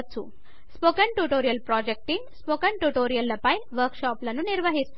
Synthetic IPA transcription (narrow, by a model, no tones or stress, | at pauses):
t͡sʰṵ̃ | spokəɳɖʈuʈoɾijəlpɾɔd͡ʑek̚ʈiŋspokəɳɖʈuʈoɾijəlːəpajlʋəɾkɕɔplanũːniɾʋəɦist̪